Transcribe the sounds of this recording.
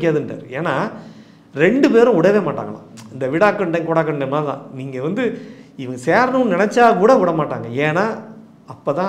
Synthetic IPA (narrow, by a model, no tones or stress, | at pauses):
kʲːɪːaːðɯnʈa̰ːɾɯeːnːaː | ɾɛɳɖɯpeːɾʊ̃ʊɽɐjʋeːmaːʈːa̰ːŋɡɐɭã̰ːɪnd̪ɐʋɪɽaːkːɐɳɖɐ̃kɔːɽaːkːɐɳɖɐmaːðã̰ːniːŋɡɐʋɐnd̪ɯɪʋɐŋɡɐseːɾnuːnɪnɛt͡ʃːaːkuːɽɐʊɽɐmaːʈːaːŋɡɐeːnaː | ɐpːoːt̪ãː